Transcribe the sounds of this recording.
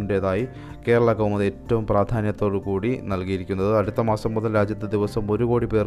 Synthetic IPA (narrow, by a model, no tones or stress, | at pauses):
nde̞ðaːji | ke̞ːɾɐɭɐkɐwmɐðetːɐʋumpraːd̪ʱaːnjɐt̪ːo̞ːɽɨkuːɽinɐlkijiɾikʲːunːɐðɨɐɽut̪ːɐmaːsɐmːud̪ɐlɾaːd͡ʑjɐt̪ːɐd̪iʋɐsɐmo̞ɾuɣo̞ːɽipe̞ːr